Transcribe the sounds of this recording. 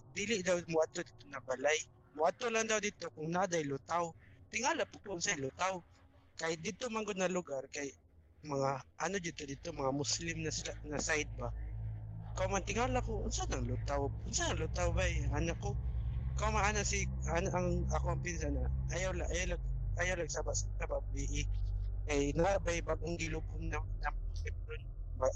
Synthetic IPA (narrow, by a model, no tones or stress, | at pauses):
d̪iːlɪʔd̪awmʊʔad̪̚t̪od̪it̪onɐbalaj | mʊʔad̪̚t̪olaŋd̪awd̪it̪okʊŋnad̪ajlʊt̪awt̪ɪŋaːlapʊkʊnsajlʊt̪aw | kajd̪ɪt̪omaŋɡod̪̚nɐlʊɡaɾkaj | mɐŋaʔɐnod͡ʒɪt̪od̪ɪt̪omɐŋamʊslɪmnasanasajd̪̚ba | kawmant̪ɪŋalakoʔʊnsanɐŋlʊt̪awʔʊnsanɐŋlʊt̪awbaɛŋanakːokawmaʔanasɪanʔɐŋakoʔɐŋpɪnsanaajawlaʔajawlaɡ̚ʔajawlɐɡsabassababiʔɪkajnɐabajbaɡ̚ʔʊŋɡɪlʊkʊmnɐŋnamʊlɪp̚nʊn | ma